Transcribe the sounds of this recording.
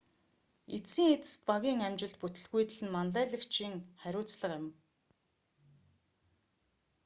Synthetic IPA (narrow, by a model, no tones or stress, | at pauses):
et͡siːŋet͡sɘ̥̆st̪̚paɣʲiːŋæmt͡ɕɪ̆ɮt̪̚put̪ɘ̆ɮɣujt̪ɘ̆ɮɘ̆nmanɮæːɮə̆kt͡ɕʰiːŋχæɾʲʊːt͡sɮə̆qɪm